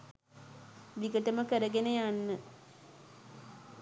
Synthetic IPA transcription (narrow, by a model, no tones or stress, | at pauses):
ʋiɡəʈəməkəɾəɡenejanːə